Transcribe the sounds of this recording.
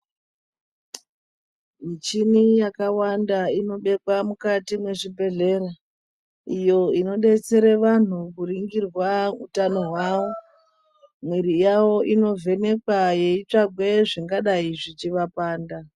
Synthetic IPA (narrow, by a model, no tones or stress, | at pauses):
mit͡ʃinijakawandaino̞ɓe̞kwamukatimwe̞ʐibʱe̞ɮe̞ɾa | ijo̞ino̞ɗe̞t͡se̞ɾeʋan̤ukuriŋɡirwautano̞ɦwawo̞ | mweɾijawo̞ʔino̞ve̞ne̞kwajeit͡ʂaɡʱwe̞ʐiŋɡaɗaiʐit͡ʃiʋapaːnda